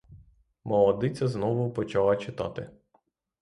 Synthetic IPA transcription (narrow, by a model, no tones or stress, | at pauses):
mɔlˠɔd̪ɪt͡sʲɐznɔʋʊpɔt͡ʃɑlˠɐt͡ʃɪt̪ɑ̰t̪ɪ̰